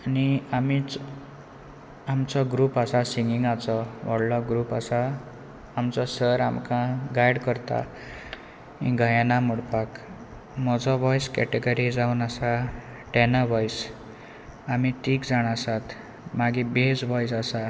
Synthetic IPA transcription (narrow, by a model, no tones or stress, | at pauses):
ʌniamit͡s | amt͡sʌɡɾupasasiŋɡiŋat͡sʌbʌɽlʌɡɾupasaː | mt͡sʌsʌɾamkãɡajɽkʌrt̪a̰ | ĩɡʱʌjanamuɽpak | mʌd͡zʌbʌjskeʈeɡʌɾid͡zawnasa | ʈenabʌjs | amit̪ikd͡zaɽ̃asat̪ʰ | maɡibed͡zbʱʌjsasa